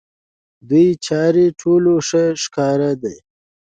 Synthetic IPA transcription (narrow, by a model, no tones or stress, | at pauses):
d̪ujt͡ʃɑːɾiʈʰoloʂəʂkɑːɾad̪ej